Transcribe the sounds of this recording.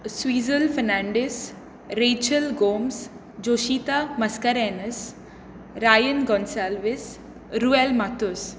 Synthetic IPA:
swiːzəlfəɾnãːɳɖes | ɾeːt͡ʃəlɡoːms | d͡ʑoːʃiːt̪amɐskəɾɛ̃ːnəs | ɾaːjənɡɔːnsaːlʋɪs | ɾuːɛlmat̪ʊs

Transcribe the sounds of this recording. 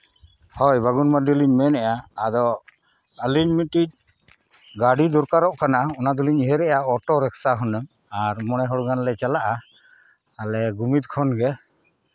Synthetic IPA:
hɔjbaɡunmad̪iliɲmɛnɛjaːd̪ɔ | əliɲmiʈiʈ̚ | ɡaɖid̪ɔɾkaɾɔʔkʰanaɔnad̪uliɲiɦɛɾɛʔjaɔʈɔɾɛksaɦɔnəm | aɾmɔɽ̃ɛɦɔɽɡanlɛt͡ʃalaʔa | alɛɡumit̪̚kʰɔnɡɛ

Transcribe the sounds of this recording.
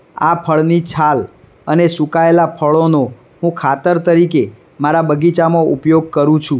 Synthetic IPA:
apʰəɭnit͡ʃʰal | ənesũkaelapʰəɭono | ɦũkʰat̪əɾt̪əɾike | maɾabəɡit͡ʃamoupjoɡ̚kəɾũt͡ʃʰũ

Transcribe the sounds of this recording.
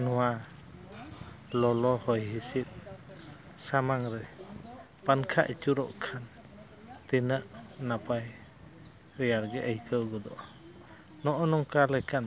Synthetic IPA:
nɔwa | lɔlɔhɔjɦisit̪̚ | samaŋɾɛ | pankʰa̰ʔit͡ʃuɾɔ̰ʔkʰan | t̪inəʔnapaj | ɾɛjaɾɡɛʔəjkʰəwɡɔd̪ɔʔ | nɔʔɔnɔŋkalɛkan

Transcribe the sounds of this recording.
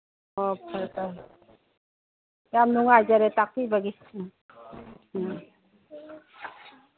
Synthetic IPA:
ɔpʰaɾta | jamnuŋajd͡ʒaɾetak̚tibaɡi

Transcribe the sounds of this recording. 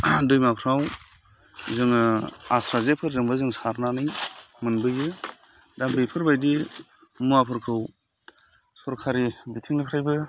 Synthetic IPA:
dɯjmapʰɾaw | zɯŋɯasɾazepʰɯɾzɯŋbɯzɯŋsaɾnanɯjmɯnbɯjɯ | dambɯjpʰɯɾbajdi | muapʰɯɾkʰɯw | sɔɾkʰaɾibitʰiŋnipʰɾajbɯ

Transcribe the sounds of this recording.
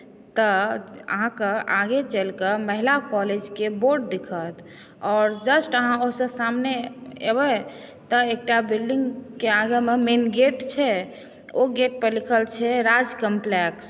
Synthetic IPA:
t̪əə̰ɦãkeaɡet͡ʃəlkəməɦilakɔled͡ʒkeboɾɖ̚d̪ikʰət̪ | ɔːɾd͡ʒəsʈəɦãoɦsə̃samneḛbɛ | t̪əek̚ʈabilɖiŋɡkeaɡəmemenɡeʈt͡ʃʰɛ | oɡeʈ̚pəlikʰəlt͡ʃʰɛɾad͡ʒkəmpleks

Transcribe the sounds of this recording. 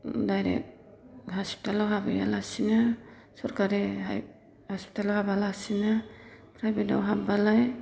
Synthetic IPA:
dajɾɛ̰k̚ | ɦaspi̥talawɦabija̰lasina | sɔɾkaɾi | haspi̥talawɦabalasinapʰɾajbeta̰wɦabalaj

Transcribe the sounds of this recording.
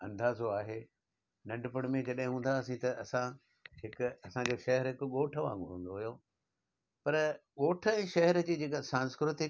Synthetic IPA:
ɐ̰̃nd̪aːzoaːɦe | nɐ̃ɳɖpəɽ̃mẽd͡ʑɐɗɦɪ̃ɦũːn̆d̪aɐsĩt̪ɐɐsã | ɦɪkʊɐsãɲd͡ʑoːʃɐɦɛɾɦɪkʊɠoːʈʰəʋã̰ːŋɡõ̰ɦṵ̃ːnd̪oɦʊjo | pɐɾɠoːʈʰə̆ɛ̃ːʃɐɦɛɾəd͡ʑiːd͡ʑeːkasãːnskɾʊt̪ɪ

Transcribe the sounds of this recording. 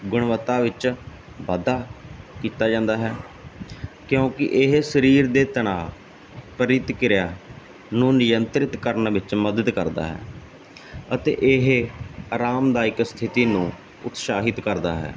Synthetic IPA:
ɡʊɳ̃ʋət̪aːʋɪt͡ʃ | ʋaːd̪aːkiːt̪aːd͡ʒãːnd̪aːɦɛː | kjõːkɪ̰ʔɪɦsəɾiːɾd̪eːt̪əɳ̃aː | pəɾɪt̪kɪɾjaː | nũːnɪjənt̪ɾɪt̪kəɾənʋɪt͡ʃməd̪əd̪kəɾd̪a̰ːɦɛ̰ː | ət̪ḛːʔɪɦaːɾaːmd̪aːɪkst̪ʰɪt̪iːnũː | ʊt̪ʃaːɦɪt̪kəɾd̪a̰ːɦɛ̰ː

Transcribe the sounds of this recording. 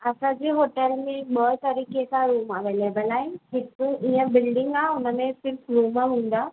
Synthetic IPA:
ɐsãd͡ʑeːɦoːʈəlmẽɓəːt̪ɐɾiːkesãɾuːmaʋeːleːbəlaːɦɪ̃nɦɪkʊiə̃bɪlɖɪ̃ŋɡaːʊnə̆mẽsɪɾfɾuːməɦũːn̆d̪aː

